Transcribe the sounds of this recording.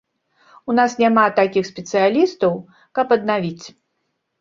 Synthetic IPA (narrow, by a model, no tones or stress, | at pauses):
unasnʲamat̪akʲixsʲpʲɛt̪sɨjalʲist̪ɐw | kɐpɐd̪̚navʲit͡sʲ